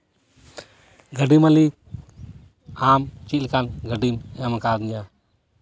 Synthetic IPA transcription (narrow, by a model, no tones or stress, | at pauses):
ɡʱəɖiməlik | amt͡ʃilkanɡəɖimamakad̪ɲa